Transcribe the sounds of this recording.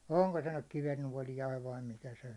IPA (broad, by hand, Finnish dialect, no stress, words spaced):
oŋko se nyk kiʋenːuɒlijɑiʋ ʋɑi mikæ se